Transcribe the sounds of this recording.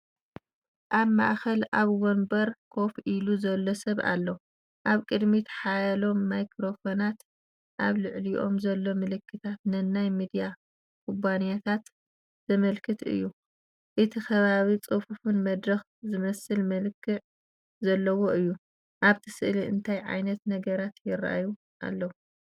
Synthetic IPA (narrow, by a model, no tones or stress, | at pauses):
ʔaβma̰ʔxɐlʔaβwonbɐɾkʰo̞fʔiluzɐlːosɐβʔa̰lːɐ | ʔaβkʼɨd̪mit̪ʰħajɐlo̞mːajkʰɾo̞fonat̪ | ʔaβlɨʕliʔo̞̰mzɐlːo̞mɨlɨkːɨt̪ʰat̪nɨnːajmid̪ija | kʰubanijat̪ʰat̪ | z̥ɐmɐlkʰɨt̪ɨ̰jːu | ʔɨt̪ʰixɐβaβit͡sʼɨfufunmɐd̪ɾɐx | zɨmɐsɨlmɐlɨkʰːɨʕ | zɐlːɐwo̞ʔɨjːu | ʔaβt̪ʰɨ̥sɨʔliʔɨ̰nt̪ʰajʕa̰jnɐt̪nɐɡɐɾat̪jɪɾʔa̰ju | ʔa̰lːɐwu